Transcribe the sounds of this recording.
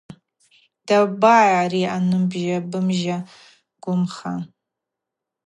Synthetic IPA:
d̥abaarianɨmbʒabɨmʒa | ɡ̥ʷʊmχa̰

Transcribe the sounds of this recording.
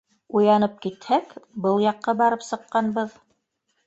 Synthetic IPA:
ujɑnɤp̚kit̪hækbɤlˠjɑqːɑbɑɾɤpsɤ̆qːɑnbɤð

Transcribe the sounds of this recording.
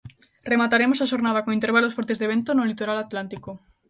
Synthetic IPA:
remat̪aɾemosaʃoɾnað̞akoŋĩnt̪eɾβalosfoɾt̪ezðeβent̪onolit̪oɾalat̪lant̪iko

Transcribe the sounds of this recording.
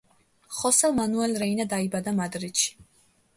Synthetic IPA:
χɔsɛlmanuɛlɾɛinad̪aibad̪amad̪ɾit̪ʃi̥

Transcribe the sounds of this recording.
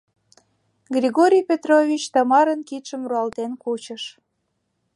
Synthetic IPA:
ɡrʲiɣoɾʲijpʲet̪rovʲit͡ɕt̪ɑmɑɾənkit̪ʃəmruɑlt̪enkut͡ɕə̆ʃ

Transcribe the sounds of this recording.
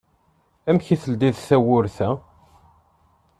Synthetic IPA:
æmçiθəld̪iðsæwʊɾθæ

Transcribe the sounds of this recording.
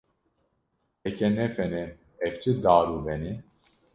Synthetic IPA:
ɛkɛnɛfɛnɛ | ɛvt͡ʃʰɨd̪aːɾuːbɛni

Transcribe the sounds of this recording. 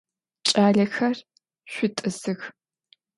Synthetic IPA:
t͡ʃʼaːɮɐxɐr | ʃʷʊtʼɨzɨx

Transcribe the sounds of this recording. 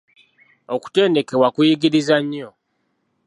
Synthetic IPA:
oku̥te̞ːnde̞ke̞wakujiɡiɾizaɲːo

